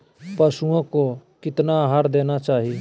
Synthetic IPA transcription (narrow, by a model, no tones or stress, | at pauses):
pəsuõkokɪt̪naɦaːɾd̪eːnat͡ʃaːɦi